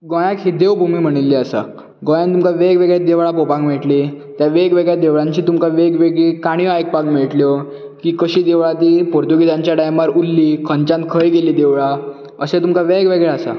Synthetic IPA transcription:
ɡɔ̃jãkɦid̪eʋbʱumiːm̤əɽ̃ilːiəsa̰ | ɡɔ̃jãnt̪umkaʋeɡʋeɡɭjed̪eʋɭapopãŋmiɭʈli | t̪jaʋeɡʋeɡɭjad̪eʋɭãɲt͡ɕiːt̪umkaʋeɡʋeɡɭekaɽ̃iajk̚pãŋkmeɭʈljɔ | kiːkəɕiːd̪eʋɭat̪ipoɾt̪uɡid̪ãɲt͡ɕjaɖajmaɾulːikʰənt͡ɕãnt̪̚kʰəjɡeliːd̪eʋɭa | əsẽt̪umkaʋeɡʋeɡɭeasa̰

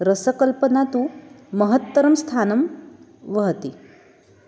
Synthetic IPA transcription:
ɾəsəkəlpənat̪u | məɦət̪ːəɾəmst̪ʰanəm | ʋəɦt̪i

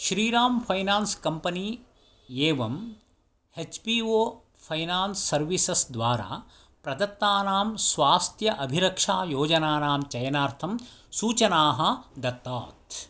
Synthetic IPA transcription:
ʃɾiːɾaːmpʰɐjnaːnskɐmpɐni | eːʋɐm | het͡ʃpiːoː | pʰɐjnaːnsːɐɾʋisɐsd̪ʋaːɾa̰ː | pɾɐd̪ɐt̪ːaːnaːmsʋaːst̪ʰjɐʔɐbʱiɾɐkʂaːjoːd͡ʒɐnaːnaːmt͡ʃɐjɐnaːɾt̪ʰɐmsuːt͡ʃɐnaːɦɐd̪ɐt̪ːaːt̪

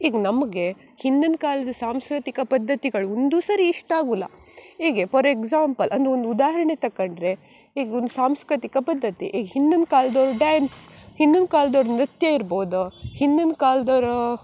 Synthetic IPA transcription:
iːɡɐnɐmɐɡe̞ | hind̪unkaːlɐd̪ɐsaːmskɾit̪ikɐpɐd̪ʱːɐt̪iɡɐɭuond̪uːsɐɾiːʂʈaːɡulːɐ̰iːɡepʰɐɾeɡzaːmpɐlʔɐnd̪uond̪ud̪aːɦɐɾɐɳet̪ɐkːɐɳɖɾe̞ | iːɡond̪usaːmskɾit̪ikɐpɐd̪ʱːɐt̪ḭʔiːɡɐhind̪unkaːlɐd̪ɐːɾɐɖaːnshind̪unkaːlɐd̪ɐɾɐnɾit̪jɐiɾboːd̪uhind̪unkaːlɐd̪ɐʋɾɐ

